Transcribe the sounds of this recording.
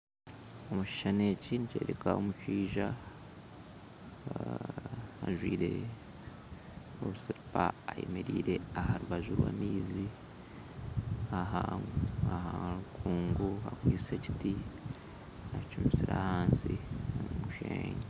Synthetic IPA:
omuʃi̥ʃane̞ːcinice̞ːɾekaomuʃiːʒa | a̰ʒwiːɾe̞ | oβusiɾupaːjemeɾiːɾe̞ahaɾuβaʒuɾwa̰niːzi | aɦaahaakʰuːŋɡuakwiːseci̥ti | ait͡ʃumisiɾahaːnsiomumuʃeːɲe

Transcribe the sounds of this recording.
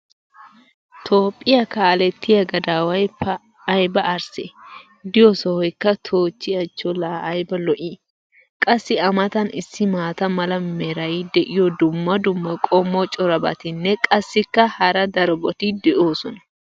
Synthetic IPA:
t̪ʰo̞ːpʼːɪjɐkaːlɛt̪ʰːɪjɐɡɐd̪aːwɐjpɐː | jbɐɐɾse | d̪ɪjɔsɔhɔjkːɐt̪ʰo̞ːt͡ʃːɪjɐt͡ʃːɔlaɐjbɐlɔʔi | kʼɐsːɪɐmɐt̪ɐnɪsːɪmaːt̪ɐmɐlɐmɛɾɐjɪd̪ɛʔɪjɔd̪ʊmːɐd̪ʊmːɐkʼɔmːɔt͡ʃʼɔɾɐbɐ̰t̪ɪnːɛkʼɐsːɪkːɐhɐɾɐd̪ɐɾɔbɔt̪ɪd̪ɛʔo̞ːsɔnɐ̥

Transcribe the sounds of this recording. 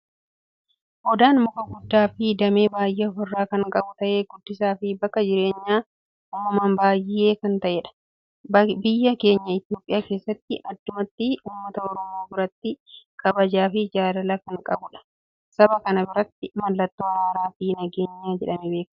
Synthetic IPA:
ʔɔd̪aːnmʊkɐɡʊd̪ːaːfɪd̪ɐme̞ːbaːjʔefɔrːaːkɐŋkʼɐbʊt̪ɐʔe̞ːɡʊd̪ːɪsaːfɪbɐkːɐd͡ʒɪɾe̞ːɲːaː | uːmːɐmaːnbaːjːɪeːkɐnt̪ɐʔeᶑɐ̥ | bɪjːɐke̞ːɲːɐɪt̪jo̞ːpʼɪjaːke̞ːsːɐt̪ːɪʔɐd̪ːʊmɐt̪ːɪuːmːɐt̪ɐɔɾɔmo̞ːbɪɾɐt̪ːɪkʰɐbɐd͡ʒaːfɪd͡ʒaːd̪ɐlɐkɐŋkʼɐbʊᶑɐ̥ | sɐbɐkɐnɐbɪɾɐt̪ːɪmɐlːɐt̪ːoːɐɾaːɾaːfɪnɐɡe̞ːɲːaːd͡ʒɛᶑɐmɛbe̞ːk

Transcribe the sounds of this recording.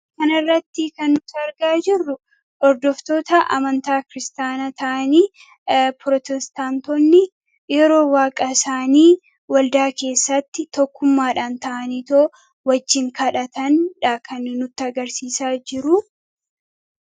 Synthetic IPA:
kɐnɐrːɐt̪ːɪkɐnːʊsɐɾɡaːd͡ʒɪrːʊ | ʔɔɾd̪ɔft̪o̞ːt̪ɐʔɐ̰mɐnt̪aːkɪɾɪst̪aːnɐt̪ɐʔɐniː | pɾɔt̪ɛst̪aːnt̪ɔnːɪ | jɛɾo̞ːwaːkʼɐɪsaːniː | wɐld̪aːke̞ːsːɐt̪ːɪt̪ɔkːʊmːaːᶑaːnt̪ɐʔɐniːt̪oː | wɐd͡ʒːɪŋkɐᶑɐt̪ɐnᶑɐkʰɐnnʊt̪ːɪɐɡɐɾsiːsaːd͡ʒɪɾʊ

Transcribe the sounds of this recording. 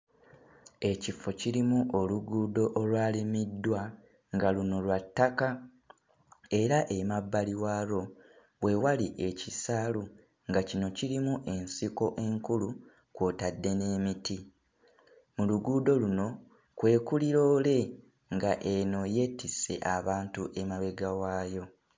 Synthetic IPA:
e̞cifo̞ciɾimuʔo̞luɡuːdo̞ʔolwaːlimidːwa | ŋɡaluno̞lwatːaka | e̞ɾaʔe̞mabːaliwaːɾo̞ | we̞waliʔe̞cisalu | ŋɡacino̞cilimuʔe̞nsiko̞ʔe̞ŋkulu | kwoːtadːe̞ne̞ːmiti | muluɡuːdo̞luno̞ | kwe̞ːkuliɾo̞ːle̞ | ŋɡaʔe̞no̞je̞ːtise̞̰ʔaβaːntuʔe̞maβe̞ɡawaːjo̞

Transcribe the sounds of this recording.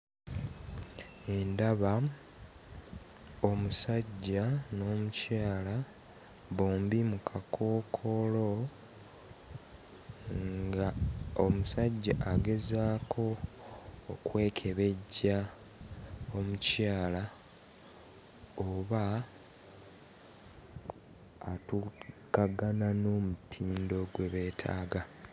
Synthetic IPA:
e̞ndaβa | o̞musaɟːano̞ːmucaːla | βoːmbimukʰakʰo̞ːkʰo̞lo̞ | ŋŋɡao̞musaɟːaʔaɡe̞zaːkʰo̞ː | kwe̞ːkʰe̞βe̞ɟːa | o̞mucaːla | oβa | tukaɡanano̞ːmutʰiːndo̞ɡwe̞βe̞ːtʰa̰ːɡa

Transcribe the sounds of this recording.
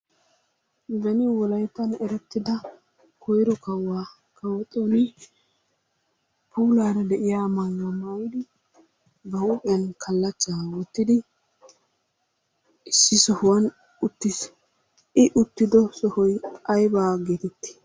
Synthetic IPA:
bɛnɪwɔlɐjt̪ːɐnɛɾɛt̪ːɪd̪ɐ | kʰɔjɾɔkɐwːaː | kʰɐwɔt̪ʼonɪ | puːlaːɾɐd̪ɛʔɪjaːmɐŋːɐmɐjɪd̪ɪ | bɐhʊːpʼɛjɐnkʰɐlːɐt͡ʃːaːwɔt̪ːɪd̪ɪ | ɪsːɪsɔhwɐn | ʊt̪ːɪs | ɪʔʊt̪ːɪd̪ɔsɔhɔjɐjbaːɡed̪ɛt̪ːɪ̥

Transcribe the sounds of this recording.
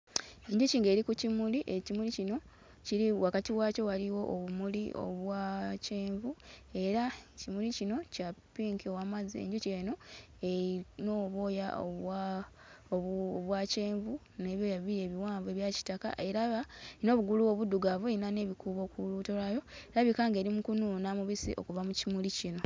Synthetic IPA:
e̞ɲɟuciːŋɡe̞ːɾikucimuliʔecimulicino̞ | ciɾiwakatiwaːco̞waliwo̞ʔoβumuliʔo̰βwace̞ːɱvue̞ɾacimulicino̞capiːŋkiowamaziḛɲɟuce̞ːno̞ | enoβo̞ːjao | oβwaːce̞ːɱvu | ne̞ːβjo̞jaβiɾe̞ːβiwaːɱve̞βjaci̥taka̰ʔe̞ɾaβano̞ːβuɡuluwo̞βuduɡavoeinaneːβikuːβo̞ːkuluto̞lajo̞eɾaβikaːŋɡe̞ɾimukunuːnamuβisḭʔo̞̰kuvamucimulicino̞

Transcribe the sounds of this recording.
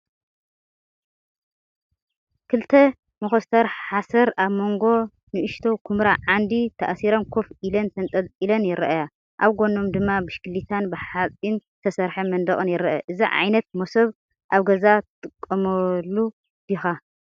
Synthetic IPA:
kʰɨlt̪ʰɐ | moxost̪ʰɐɾħasɐɾaβmo̞ŋɡo̞ | nɨʔɨʃt̪ʰowkʰumɾaʕand̪it̪ʰaʔsiɾɐnkʰo̞fʔilɐnt̪ʰɐnt̪ʼɐlʼilɐnjɪɾʔaja | ʔaβɡo̞no̞md̪ɨmːabɨʃkɨlːit̪ʰanbɨħat͡sʼint̪ʰɐsɐɾħɐmɐnd̪ɐɣʼɨnjɪɾɐʔɐʔɨziʕa̰jnɐt̪̚mosɐβ | ʔaβɡɐzat̪ʰɨt̪ʼɨkʼːɐmɐlːu | bixa

